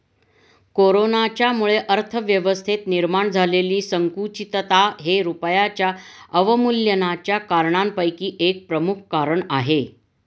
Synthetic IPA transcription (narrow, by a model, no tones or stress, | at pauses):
koɾonat͡ɕjamuɭeʔəɾt̪ʰəʋjəʋəst̪ʰet̪niɾmaɳd͡zʱaleliːsəŋkut͡ɕit̪ət̪aɦeɾupəjat͡ɕjaəʋəmuljənat͡ɕjakaɾɳampəjkiːʔek̚pɾəmukʰkaɾəɳaɦe